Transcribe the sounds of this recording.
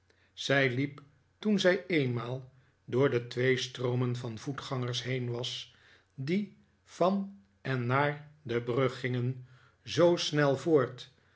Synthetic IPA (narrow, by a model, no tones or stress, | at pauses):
z̥ɛjlip | tunzɛjejnmaːlˠ | dʊːɹdətʋejstrowmənvɑnvutχɑŋəɹsɦejnʋɑs | di | fɑn | ɛnːaːɹdəbrɵχɪŋən | zowsnɛlˠvoːɹt